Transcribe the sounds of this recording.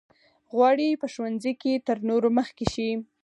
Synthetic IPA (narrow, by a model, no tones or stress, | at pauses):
ɣwɑɽipəʃwanziket̪əɾnoɾoməxkeʃi